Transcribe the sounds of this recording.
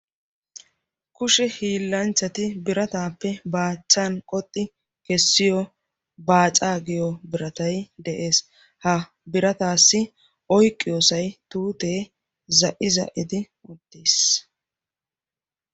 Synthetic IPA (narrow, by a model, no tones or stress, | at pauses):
kʊʃɛhiːlːɐnt͡ʃːɐt̪ɪbɪɾɐt̪aːpːɛbaːt͡ʃːankʼɔt̪ʼːɪ | kɛsːɪjɔ | baːt͡sʼaːɡɪjɔbɪɾɐt̪ɐjd̪ɛʔe̞ːs | hɐ | bɪɾɐt̪aːsːɪ | ʔɔjkʼːɪjoːsɐjt̪uːt̪eː | zɐʔɪzɐ̰ʔɪd̪ɪ | ʊt̪ːeːs